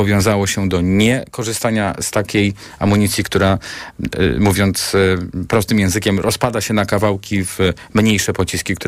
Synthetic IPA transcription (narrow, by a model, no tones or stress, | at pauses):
ɔvʲjɔ̃w̃zawɔɕɛd̪ɔɲɛkɔʐɨst̪aɲast̪akʲej | amuɲit̪sʲjikt̪uɾa | muvʲjɔnt̪spɾɔst̪ɘmjɛ̃w̃zɘkʲɛmɾʔɔspad̪aɕɛnakavawkʲiv | mɲejʂɛpɔt͡ɕiskʲikt̪u